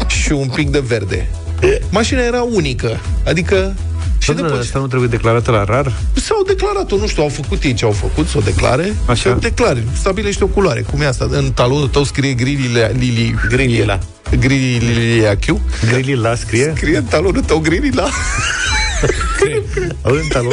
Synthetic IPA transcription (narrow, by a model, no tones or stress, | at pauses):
ʃiunpik̚d̪e̞ve̞rd̪e̞̰ | maʃinaje̞ɾaunikəad̪ikə | ʃid̪east̪anuat̪̬ɾebujed̪eklaɾat̪əlaɾarsawd̪e̞klaɾat̪o̞nuʃt̪ʲuawfəkut̪jejt͡ʃeawfəkut̪sawd̪e̞kla̰ɾeaʃawd̪e̞klaɾest̪abile̞ʃt̪o̞kuloaɾe̞̰kumjeast̪aɨnt̪alo̞nut̪əwskɾijeɡɾililliliɡɾilia | ɡɾilililiiakʲuɡɾililaskɾijsekɾijeɨnt̪alonut̪əwɡɾilila | ɨnt̪alo